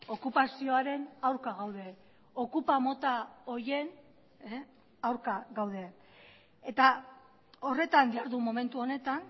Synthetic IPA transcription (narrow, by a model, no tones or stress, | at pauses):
o̞kupasio̞aɾe̞nawɾkaɣawðe̞ | o̞kupamo̞t̪ao̞je̞n | awɾkaɣawð̞e̞ | et̪a | o̞re̞t̪and̪iaɾðumo̞me̞nt̪uo̞ne̞t̪an